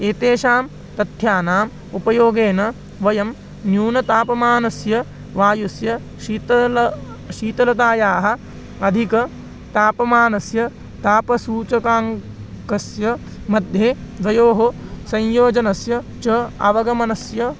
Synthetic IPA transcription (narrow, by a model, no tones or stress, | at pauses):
eːt̪eːʃaːm | t̪ɐt̪jaːnaːm | upɐjoːɡeːnɐ | ʋɐjɐm | njuːnɐt̪aːpɐmaːnɐsjɐ | ʋaːjusjɐ | ʃit̪ | ʃiːt̪ɐlɐt̪aːjaːɦɐ̆ | ɐd̪ʱikɐ | t̪aːpɐmaːnɐsjɐ | t̪aːpɐsuːt͡ʃɐkaːŋ | kɐsjɐ | mɐd̪ʱjeːd̪ʋɐjoːɦɐsɐ̃ɲjoːd͡ʒɐnɐsjɐ | t͡ʃɐɐ̰ʋɐɡɐmɐnɐsjɐ